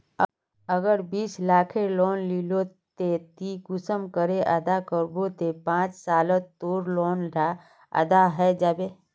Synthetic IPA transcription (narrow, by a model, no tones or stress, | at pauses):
ə | əɡəɾbiːslaːkʰeloːnlilo | t̪et̪iɡʊsəmkəɾeʔəd̪akəɾbot̪epãːt͡ʃsaːlət̪ːoːɾloːnɖa | ɐ̰d̪aɦɛd͡ʒabe